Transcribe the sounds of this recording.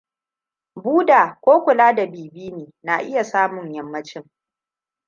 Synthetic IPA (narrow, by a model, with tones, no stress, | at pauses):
buː˦daː˨kʷoː˦kʷʊ˨laː˦da˨biː˨biː˦neː˨na˨ʔɪ˦ja˨saː˦mʊ˨ɲjɐ˨mːɐ˦t͡ʃɪ˦ŋ